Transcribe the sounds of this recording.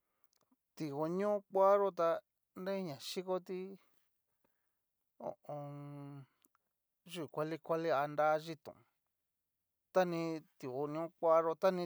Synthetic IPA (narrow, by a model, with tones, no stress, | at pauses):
t̪i˧o˧ɲũ˦kʷa˦ɾo˦t̪a˧ | ndẽ˦ɲã˨ʃi˦ko˦t̪i˦ | o̰˨ʔõ˧ | ʒu˦˨kʷa˧li˧kʷa˦li˦a˧nd̪a˦ʒi˧t̪ṵ̃˨˧ | t̪a˦nĩ˧t̪i˨o˧ɲõ˦˧kʷa˦ɾo˧t̪a˦nĩ˧